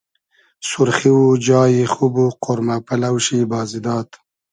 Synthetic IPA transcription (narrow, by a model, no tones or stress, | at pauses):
sʊɾχiud͡ʒɑːjixubuqʊɾmapalawʃibɑːzid̪ɑːt̪